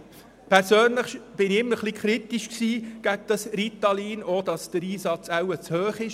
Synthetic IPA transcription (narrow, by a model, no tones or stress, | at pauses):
pʰɛɾsøːnləχb̥ɪnɪmːəɾχlikʰχɾitiʃksiːɡ̥æɡ̚d̥ɑsɾit̪ɑliːnoːd̥ɑsd̥əɾiːsɑt͡sæwət͡shøːχɪʃ